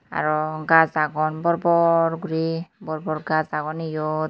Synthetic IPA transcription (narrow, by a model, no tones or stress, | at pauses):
a̰ɹɔɡazaɡɔnbɔɹbɔɹɡuɹibɔɹbɔɹɡazaɡɔnijɔ